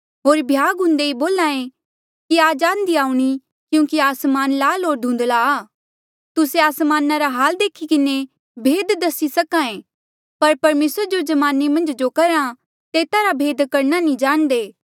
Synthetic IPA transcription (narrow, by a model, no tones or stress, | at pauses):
ɦoːɾbʱjaːɡʊ̃nd̪eiboːlãːẽ | kiaːd͡ʒaːnd̪iaːuɽ̃i | kjũːkiaːsmaːnlaːlɦoːɾd̪ʱũːnd̪laː | t̪ʊseaːsmaːnaɾaɦaːld̪eːkʰikɪne | bʱeːd̪d̪ɐsisɐkãːẽ | pɐɾpɐɾmeːsɾd͡ʒod͡ʒɐmaːnemɐ̃nd͡ʒd͡ʒokɐɾã | t̪eːt̪aɾabʱeːd̪kɐɾnanĩd͡ʒaːɽ̃d̪eː